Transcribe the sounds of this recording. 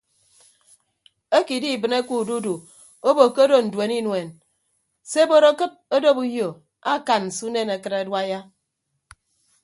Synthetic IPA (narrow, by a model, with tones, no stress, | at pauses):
e˦ki˨di˦˨bɨ˨ne˦ku˦˨du˦du˨ | o˦bo˨ke˦do˦˨n̩˨dwe˨ni˦nwe˨n | se˦bo˦ɾo˦kɨ˦p̚o˦do˦pu˦jjo˨ | a˦˨ka˨n˨n̩˨su˦ne˦˨ne˨kɨ˦ɾe˨˦dwa˦ja˦